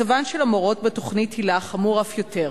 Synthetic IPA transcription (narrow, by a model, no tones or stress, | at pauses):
avanʃelamoʁo̞t̚betoχnithilaχamuʁafjo̞teʁ